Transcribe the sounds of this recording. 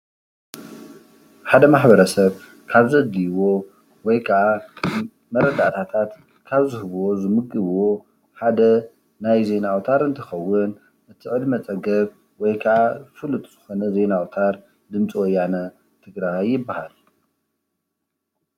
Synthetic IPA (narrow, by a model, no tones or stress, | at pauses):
ħad̪ɐmaħbɐɾɐsɐβ | kʰaβzɐd̪iwo̞ | wɔjkʰɐʕa | mɐɾɐd̪a̰t̪ʰat̪ʰat̪ | kʰaβzɨhɨβwozɨmɨɡʼːɨβwo̞ | ħad̪ɐ | najze̞nawt̪ʰaɾɨnt̪ʰɐxɐwːʊn | ʔɨt̪ʰɨʕɨd̪mɐt͡sʼɐɡɐβ | wɔjkʰɐʕazɨfɨlut̪ʼz̥ɨxo̞nɐze̞nawt̪ʰaɾ | d̪ɨmt͡sʼiwojanɐ | t̪ʰɨɡɾajːɪbːahal